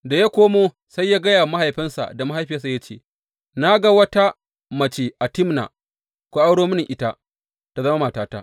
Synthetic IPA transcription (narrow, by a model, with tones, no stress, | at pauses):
da˨ja˦kʷoː˦moː˦ | sa˦jːaː˦ɡɐ˦jaː˨ma˦ha˨jɸɪ˦nsa̰˨da˨ma˦ɦa˦˨jɸɪ˦a˦s̬a˨ja˦t͡ʃḛː˨ | na˦ɡa˦wɐ˦ta˦ | mɐ˨t͡ʃe˨ʔa˨tɪ˦mna̰˨ | kʷo˦ʔa˦wɽoː˦mʊ˦nɪ˨ŋʔɪ˦ta˦ | ta˨zɐ˦ma˦ma˨taː˦ta˦ʔ